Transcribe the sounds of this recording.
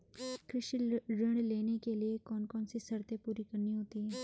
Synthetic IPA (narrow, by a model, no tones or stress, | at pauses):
kɾɪʃiɾɪɽ̃leːnekeliekɔːnkɔːnsisɐɾt̪epuːɾikɐɾniɦoːt̪iɦɛː